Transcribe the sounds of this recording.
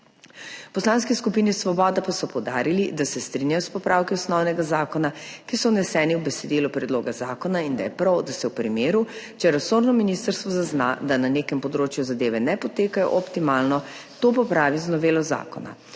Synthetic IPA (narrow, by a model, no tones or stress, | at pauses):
pɔslanskiskupiːnisʋɔbɔːd̪apasɔpɔwd̪a̰ːɾilid̪asɛst̪ɾinjajɔspɔpɾawkiɔsnɔwnɛɡazaːkɔnakisɔnɛsɛːniwbɛsɛd̪iːlupɾɛd̪loːɡazaːkɔnaind̪ajɛpɾawd̪asɛwpɾimeːɾu | t͡ʃɛɾasoːɾnɔminist̪əɾst̪ʋɔzazna̰d̪ananeːkɛmpɔd̪ɾoːt͡ʃjuzad̪eːʋɛnɛpɔt̪eːkajɔ̰ʔɔpt̪imaːlnɔt̪oːp̬ɔpɾaːʋiznɔʋeːlɔza̰ːkɔ̰na̰